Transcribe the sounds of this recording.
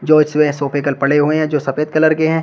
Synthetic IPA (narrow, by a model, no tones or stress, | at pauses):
d͡ʒoːɪt͡ʃswẽsoːpekəlpɐɽeɦueɦɛ̃d͡ʒoːsɐpeːt̪̚kɐləɾkeɦɛ̃ː